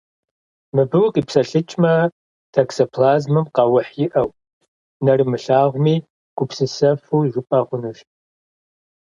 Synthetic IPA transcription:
mɨbɨwqʼiːpsɐɬɨt͡ʃʼmɐ | tʰɐksopʰlaːzmɨmqɑwʊħjɪʔɐw | nɐrɨmɨɬaːʁʷmiː | ɡ̥ʷʊpsɨsɐfuːiʒʷʊpʼɐʁʷʊnuʒ

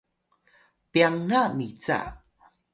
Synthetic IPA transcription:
piaŋamit͡sa̰

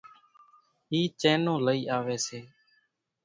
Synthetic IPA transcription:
ɦiːt͡ʃẽːnõːləiːʔaːʋeːseː

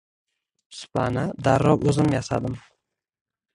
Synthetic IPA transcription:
sʊ̥pʰanad̪aɾɒwɵzɪmjasad̪ɪm

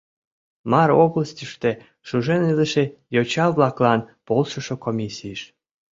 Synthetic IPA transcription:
mɑɾoβləst̪ʲəʃt̪e | ʃuʒeniləʃejot͡ɕɑβlɑklɑnpolˠʃəʃokomʲisʲijəʃ

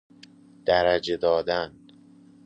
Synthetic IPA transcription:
d̪̥æɾæd͡ʒed̪ɒːd̪æn

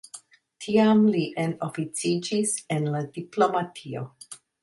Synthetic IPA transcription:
tʰiamliʔenofit͡sid͡ʒisenladiplo̞matʰio̞̰

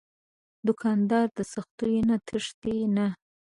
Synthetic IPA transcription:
d̪ʊkʰɑnd̪ɑɾd̪əsaxt̪ujnat̪ʰəʂt̪ina

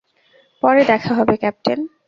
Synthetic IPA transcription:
pɔɾed̪ɛkʰaɦɔbekɛp̚ʈen

